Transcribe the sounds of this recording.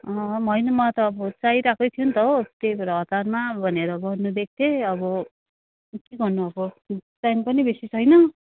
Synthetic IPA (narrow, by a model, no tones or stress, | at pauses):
ʌ̃mʌjnʌmʌt̪ʌːbʌt͡saiɾakʌjt̪ʰijunt̪ʌot̪ebʌɾʌɦʌt̪armabʱʌneɾʌbʌnubek̚t̪eʌbʌ | kiɡʌrnuʌbʌ | t͡sampʌnibesit͡sʰʌjnʌ